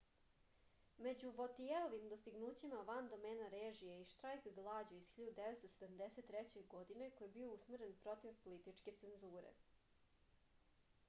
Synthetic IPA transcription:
me̞d͡ʑuʋot̪ieoʋimd̪ost̪iɡnuːt͡ɕimaʋand̪o̞meːnaɾeːʒijeiʃt̪ɾajkɡlˠad͡ʑoiz̥xiʎud̪ud̪eʋet̪st̪osed̪amd̪eset̪ːɾɛt͡ɕe̞jɡo̞d̪ine̞kojebiousmɾe̞npɾo̞t̪iʋpolit̪it͡ʃke̞t̪se̞nzuːɾḛ

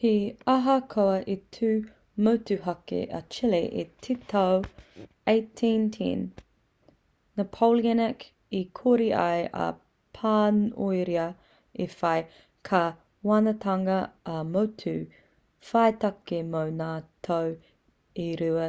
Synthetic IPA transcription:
hiɐɦɐkʰoɐʔetʰʉː | mowtʉɦɐkḛɐ̰t͡ʃileʔḛtʰitʰow | ejtʰĩntʰḭ̃n | əpʰowlianɛk | ikʰoɾiʔɐ̰jɐ̰ | pʰaːnojɾiɐ | efɐj | kʰɐ | wɐnɐtʰɐŋɐːmowtʰʉ | fɐjtɐkemownaːtʰɐw | iɾuɐ

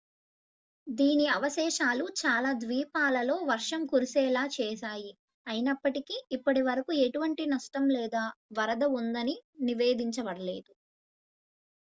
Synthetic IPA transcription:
d̪iːniɐʋɐʃɛːʃaːlut͡ʃaːlaːd̪ʋiːpaːlɐlo̞ːʋɐɾʂɐmkuɾisɛːlaːt͡ʃɛːʃaːji | ɐjinɐpːɐʈikiːpːɐʈiʋɐɾɐkueʈuʋɐɳʈinɐʂʈɐmlɛːd̪aːʋɐɾɐd̪ɐund̪ɐniniʋe̞ːd̪iɲt͡ʃɐʋɐɽɐlḛːd̪u

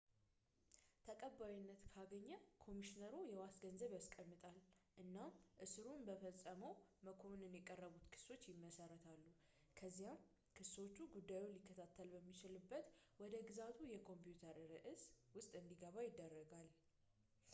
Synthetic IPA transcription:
t̪ʰəkʼəbːawinːət̪kʰaɡəɲːəkʰo̞miʃinəɾujɛwasɡənzəβjaskʼəmːɨt̪ʼalʔɨnːamʔɨsɨɾunbəfəsʼːəməwməkʰo̞nɨnjɛkʼərːəβut̪kʰɨ̥so̞t͡ʃːjɪmːəsəɾət̪ʰalːu | kʰəzːijam | kʰɨsot͡ʃːuɡud̪ːajulikːət̪ʰat̪ʰːəlbəmːit͡ʃɪlɨbːət̪wɔd̪əɡɨzat̪ʰujɛkʰo̞mpjut̪ʰəɾɾɨʔɨswʊst̪ʼɨnd̪iɡəβajɪd̪ːərːəɡal

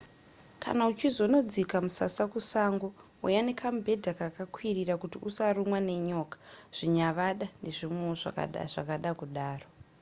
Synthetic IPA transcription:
kʰa̰naut͡ʃizo̞no̞d͡zikamusasakusaŋɡo̞ | ujanekʰambʱe̞dʱakakakʰwirirakutiʔusarumwane̞ɲo̞kḁʐ̥iɲaʋaɗane̞ʐimweʐa̰kʐakaɗakuɗaːro

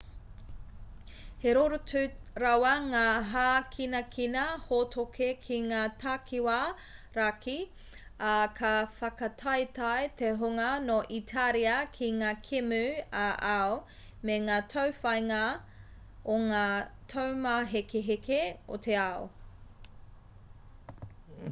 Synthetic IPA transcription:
heɾoɾotʉɾɐwɐŋaːɦaːkʰinɐkʰinɐhotʰokʰekʰiŋaːtʰakʰiwa | ɾakʰi | ɐkʰɐfɐkɐtʰɐjtɐjt̪eɦoŋɐnoʔitʰaɾiɐkʰiŋaːkʰemʉaʔao | meŋaːtʰɐwfɐjŋɐ | oŋaːtʰowmɐɦekeɦekeo̰t̪ʰeao̰

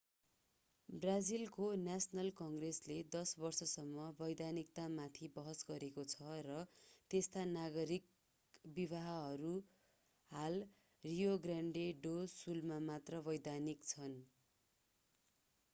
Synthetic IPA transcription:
brad͡zilkonasʌnʌlkʌŋɡresled̪ʌsbʌrsʌsʌmːʌbʌjd̪anik̚t̪amat̪ʰibʌɦʌsɡʌɾekot͡sʰʌrʌt̪est̪anaɡʌɾik̚ | biβaɦʌɦʌɾu | hal | rijoɡraɳɖeɖosulmamat̪rʌbʌjd̪anikt͡sʰʌn

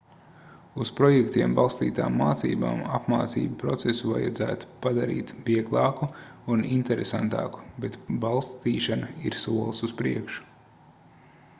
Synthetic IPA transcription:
uspɾɔjɛkt̪iɛmbalˠst̪ḭːt̪aːmːaːt̪sḭːba̰ːmapmaːt̪sḭːbpɾɔt̪sesuva̰ja̰d̪zæ̰ːt̪u̥pad̪aɾḭːt̪biɛɡlˠɑːkuunint̪ɛɾesant̪ɑ̰ːku̥bet̪balˠst̪iːʃanaiɾsuɔlˠsuspɾiɛkʃu̥

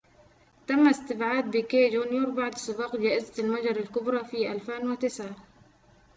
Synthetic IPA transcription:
t̪amːaɪst̪ɪbʕaːd̪̚bɪkeːd͡ʒuːnjoɾbaʕd̪sˤɨbɑːqd͡ʒaːʔɪzat̪almad͡ʒɑɾˤalkʊbɾˤɑfiʔalfeːnwɪt̪ɪsʕa

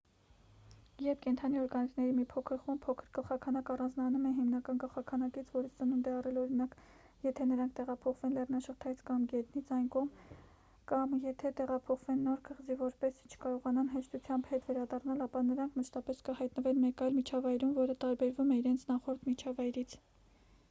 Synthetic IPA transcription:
jɛɾpʰkɛnt̪ʰɑniɔɾɡɑnisʰnɛɾimipʰɔkʰəɾχumpʰɔkʰəɾkəlχɑkʰɑnɑkɑrɑnd͡znɑnumɛnɦimnɑkɑnkəlχɑkʰɑnɑkit͡sʰvɔɾist͡sənund̪ɛɑrɛlɔɾinɑk | jɛt̪ʰɛnəɾɑŋkʰt̪ɛʁɑpʰɔχvɛnlɛrnɑʃəχt̪ʰɑjit͡sʰkɑmɡɛt̪nit͡sʰɑjnkɔʁm | kɑmjɛt̪ʰɛt̪ɛʁɑpʰɔχvɛnːɔɾkʰəʁzivɔɾpɛst͡ʃʰə̥kɑɾɔʁɑnɑnɦɛʃt̪ʰut͡sʰjɑmbhɛt̪vɛɾɑd̪ɑrnɑlɑpɑnəɾɑŋkʰməʃʰt̪ɑpɛskəhɑjt̪nəvɛnmɛkɑjlmit͡ʃʰɑvɑjɾumvɔɾət̪ɑɾbɛɾvumɛiɾɛnt͡sʰnɑχɔɾt̪ʰmit͡ʃʰɑvɑjɾit͡sʰ

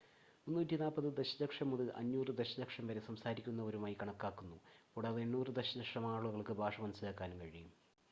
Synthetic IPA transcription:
munːuːtʲːinaːlpːɐðɨd̪eɕɐ̥dɐkʂɐmuðɨʔɐ̰nːuːrɨd̪eɕɐdɐkʂɐmʋɐɾe̞sɐmsaːɾikʲːunːɐo̞ɾumaːjikɐɳɐkːaːkːunːupuɽaːðenːuːrɨd̪eɕɐdɐkʂɐmaːɭuɣɐɭkɨbʱaːʂɐmɐnɐsɨlaːkːaːnukɐɻijum

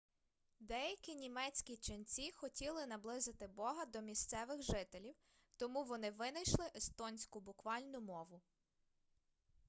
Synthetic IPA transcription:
d̪ɛjɐkʲinʲimɛt͡sʲkʲit͡ʃɪnt͡sʲixɔtʲilˠɪnɐblˠɪzɪt̪ɪbɔɦɐd̪ɔmʲist̪sɛʋɪxʒɪt̪elʲiw | t̪ɔmuʋɔnɪʋɪnɐjʃlˠɪʔest̪ɔnʲsʲkʊbʊkʋɑlʲnʊmɔʋʊ

